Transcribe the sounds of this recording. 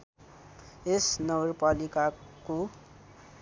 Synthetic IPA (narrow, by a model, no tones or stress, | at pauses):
esnʌɡʌrpalikako